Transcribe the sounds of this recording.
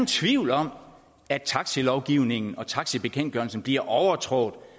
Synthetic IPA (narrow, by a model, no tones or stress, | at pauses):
nt͡sʰʋiʊlɒ̽m̰ | æ̥t͡sʰɑ̈ɡ̥səlɒʊɡ̥iʊne̝ŋn̩ɒ̽t͡sʰɑ̈ɡ̥səb̥e̝kʰen̰dɡ̥ɶɐl̩sn̩b̥liɐ̰ʔɒʊɐt͡sʰʁɔ̰d̥ˠ